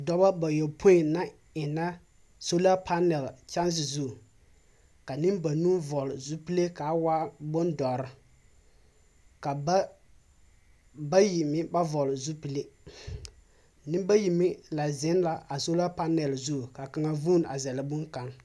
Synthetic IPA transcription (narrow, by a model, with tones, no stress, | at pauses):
dɔ˨˦ba˦ba˨jɔ˨pʰʊ˦ɪ˨na˦ | ɪ˨na˦ | so˦la˦pʰa˦nɛ˨lt͡ʃa˦ns̬ɪ˨zu˦˨ | ka˨nɪ˦mba˨nu˦vɔ˨lɪ˨zu˦pi˦le˦ka˨˦wa˦bʊ˦ndɔ˨ɾɪ˨ | ka˨˦ | ba˦ji˨mɪ˦ba˦vɔ˨lzu˦pi˨le˦ | nɪ˦m˦ba˦ji˨mɪ˦la˨zɪ˦n˦la˨ʔa˨so˦la˦pa˦nɛ˨lzu˦˨ka˨ka˨ŋa˨vu˦n˨a˨zɛ˨lɪ˨bʊ˦ŋka˨ŋ